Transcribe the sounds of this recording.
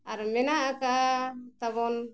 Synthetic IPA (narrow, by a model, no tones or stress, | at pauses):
aɾmɛnaʔakat̪aβɔn